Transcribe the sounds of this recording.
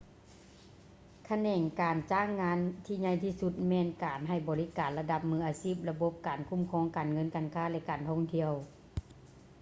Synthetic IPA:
kʰa˧nɛː˧˩ŋkaː˨nt͡ɕaː˧˥˩ŋːaː˧˥nt̪ʰiː˧˩ɲa˧˩jt̪ʰiː˧˨su˧t̪̚mɛː˧˩nkaː˨˩nɦa˧˩jbɔː˨˩li˧˥kaː˨˩nla˧da˧˥p̚mɯː˧ʔaː˨siː˧˥˩p̚la˧bo˧˦p̚kaː˨˩nkʰu˧˥˨mkʰɔː˧˥˨ŋkaː˨˩nŋɤ˧˥˨nkaː˨˩nkʰaː˧˥˨lɛ˧˥kaː˨˩nt̪ʰɔː˧˥˨ŋt̪ʰi˧˨əw

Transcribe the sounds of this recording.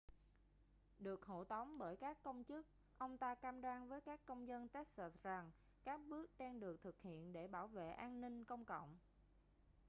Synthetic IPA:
ɗɨ˨˩ək̚ho̰˧˩t̪ə˨˦wŋ͡mɓəː˧˩jkaː˦˥kːə˧wŋ͡mt͡ɕɨ˦˥k̚ | ʔə˧wŋ͡mt̪aː˧kaː˧mɗwaː˧nvəː˨˦jkaː˦˥kːə˧wŋ͡mzə˧nt̪ɛ˦˥t̚sa˨˩t̚za˨˩ŋ | kaː˦˥k̚ɓɨ˦˥ək̚ɗa˧ŋɗɨ˨˩ək̚t̪ʰɨ˨˩k̚hḭ˧˨ənɗe˧˩ɓaː˧˩wvḛ˧˨ʔaː˧nnï˧ŋ̟kə˧wŋ͡mkə̰˧˨wŋ͡m

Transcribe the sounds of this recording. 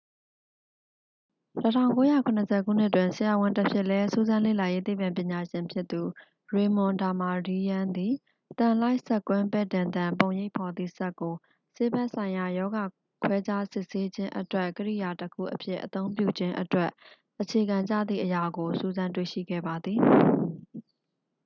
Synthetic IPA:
tətʰã˦˨ʊ̃ŋko˦ja˦˨kʰʊ̃˨nəsʰɛ̰˦˨ɡṵ˦˨n̥ɪ˦tːwɪ̃˨nsɪ˨ja˨wʊ̃˦ntəpʰjɪ˦ʔlɛ˦su˦zã˦lḛ˦˨la˨je˦t̪e˦˨pã˨mpjɪ̃˨ɲa˨ʃɪ̃˨mpʰjɪ˦t̪ːu˨ | ɹe˨mʊ̃˨nda˨ma˨di˦jã˦nd̪i˨ | t̪ã˨la˦ɪʔsɛ˦˨kwɪ̃˦mbɛ˦˨dã˨nd̪ã˨p̬õ˨ʊ̃je˦ɪʔpʰɔ˨d̪ðḭ˦˨sɛ˦kːo˨ | se˦bɛ˦ʔsʰã˨ɪ̃ja˨jɔ˦ɡa˨ | kʰwɛ˦d͡ʑa˦sɪ˦ʔse˦d͡ʑɪ̃˦ʔə̰twɛ˦ʔkəɹḭ˦˨ja˨təkʰṵ˦˨ʔəpʰjɪ˦ʔət̪õ˦ʊ̃mpjṵ˦˨d͡ʑɪ̃˦ʔətwɛ˦ʔ | ʔət͡ɕʰe˨ɡã˨ɲd͡ʑä̰˦˨d̪ðḭ˦˨ʔəja˨ɡo˨su˦˨zã˦nt̬wḛ˦˨ʃḭ˦˨ɡɛ̰˦˨ba˨d̪ði˨

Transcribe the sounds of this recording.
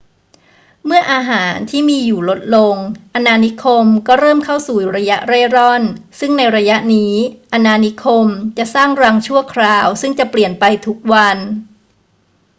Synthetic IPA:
mɯ˥˩ɐʔaː˧ɦaː˩˦nt̪ʰiː˥˩miː˧juː˨˩lo˦˥t̪̚lo˧ŋʔa˧naː˧ni˦˥kʰo˧mkɔː˥˩ɾɤː˥˩mkʰa˥˩wsuː˨˩ɾa˧ja˦˥ʔɾe˥˩ɾɔ˥˩nsɯ˥˩ŋna˧jɾa˧ja˦˥ʔniː˦˥ʔa˧naː˧ni˦˥kʰo˧mt͡ɕa˨˩ʔsaː˥˩ŋɾa˧ŋt͡ɕʰu˥˩əkʰɾaː˧wsɯ˥˩ŋt͡ɕa˨˩pli˨˩ənpa˧jt̪ʰu˦˥k̚wa˧n

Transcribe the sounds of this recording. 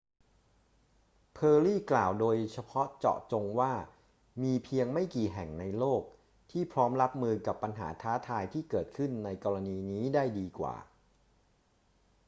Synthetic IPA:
pʰɤː˧ɾiː˥˩klaː˨˩wdoː˧jt͡ɕʰa˧pʰɔ˦˥t͡ɕɔ̰˨˩ʔt͡ɕo˧ŋwaː˥˩ | miː˧pʰi˧əŋma˥˩jkiː˨˩ɦɛ˨˩ŋna˧jloː˥˩k̚ | t̪ʰiː˥˩pʰɾɔː˦˥mɾa˦˥p̚mɯː˧ka˨˩pːa˧nɦa̰ː˩˦t̪ʰaː˦˥t̪ʰaː˧jt̪ʰiː˥˩kɤː˨˩t̪̚kʰɯ˥˩nːa˧jkɔː˧ɾa˧niː˧niː˦˥daː˥˩jdiː˧kwa̰ː˨˩

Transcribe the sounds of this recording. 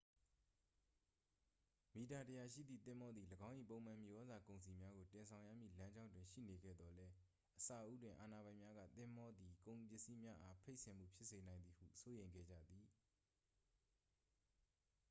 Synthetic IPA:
mi˨ta˨təja˨ʃḭ˦˨d̪ðḭ˦˨t̪ɪ̃˦˨mɔ˦d̪ði˨ləɡã˦ʊ̃ʔḭ˦˨põ˦˨ʊ̃m̥ã˨mji˨ʔɔ˦za˨kõ˨ʊ̃nsi˨mja˦ɡo˨tɪ̃˨nsʰã˨ʊ̃ja̰˦˨mjḭ˦˨lã˦ɲd͡ʑã˦ndwɪ̃˨ʃḭ˦˨ne˨ɡɛ̰˦˨d̪ðɔ˨lɛ˦ | ʔəsa˨ʔṵ˦dwɪ̃˨ʔa˨na˨βã˨ɪ̃mja˦ɡä̰˦˨t̪ɪ̃˦˨mɔ˦d̪i˨kõ˨ʊ̃pjɪ˦ʔsi˦mja˦ʔa˦pʰe˦ɪʔsɪ̃˨m̥ṵ˦˨pʰjɪ˦ʔse˨nã˨ɪ̃nd̪i˨hṵ˦˨so˦jẽ˨ɪ̃ŋɡɛ̰˦˨d͡ʑä̰˦˨d̪i˨

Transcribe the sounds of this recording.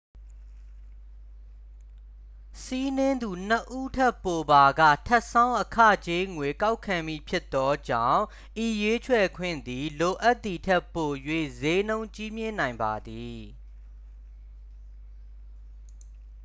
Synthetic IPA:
si˦nɪ̃˦nd̪u˨n̥ə˨ʔu˦tʰɛ˦˨pːo˨ba˨ɡä̰˦˨tʰɛ˦ʔsã˦ʊ̃ʔəkʰä̰˦˨t͡ɕe˦ŋwe˨ka˦ʊkʰã˨mi˦˨pʰjɪ˦t̪ːɔ˦d͡ʑã̰˦˨ʊ̃ | ʔi˨je˦t͡ɕʰwɛ˨kʰwɪ̰̃˦˨nd̪i˨lo˨ʔa˦t̪ːi˨tʰɛ˦pːo˨jwḛ˦˨ze˦nõ˦ʊ̃ɲt͡ɕi˦mjɪ̃˦˨nã˨ɪ̃mba˨d̪i˨

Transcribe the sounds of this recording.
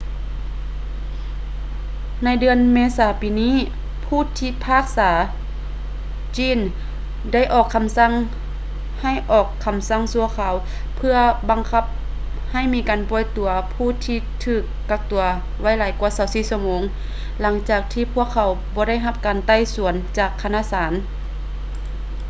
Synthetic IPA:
na˧˥jdɯ˧ənmeː˧saː˨˦piː˨niː˧˥˨ | pʰuː˧˩˨t̪ʰiː˧˩pʰaː˧˥˩k̚saː˩˦ | t͡ɕiː˧˥˩n | da˥˨jʔɔː˨˩kʰːa˧˦msa˧˥˨ŋ | ha˧˩jʔɔː˨˩kʰːa˧msa˧˥˨ŋsu˧ɐkʰaː˨˩˦w | pʰɯ˧ɐba˨˧ŋkʰa˧˩p̚ | ha˧˩jmiː˧˥kaː˨npɔː˧˩jt̪u˨˩ɐpʰuː˧˥˩t̪ʰiː˧˩t̪ʰɯː˧˩kːa˧k̚t̪u˨˩ɐ | wa˧˥˨jlaː˨˦jku˧ɐsa˨˩˦wsiː˧˩su˧˩ɐmoː˨˧˦ŋ | la˩˦ŋt͡ɕaː˨˩k̚t̪ʰiː˧pʰu˧˥˩əkʰːa˨˧˦wbɔː˧˦ɾa˥˨jɦa˧p̚kaː˨nt̪a˧˥˨jsu˨˩˦ənt͡ɕaː˨˩kʰːa˧naː˧˥˨saː˩˦n

